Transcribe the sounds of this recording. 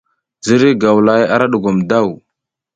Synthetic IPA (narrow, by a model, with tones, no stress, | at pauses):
zi˦ɾi˦ɡa˨wla˨˦ja̰˦ɾa˦ɗu˨ɡu˨mda˦˨w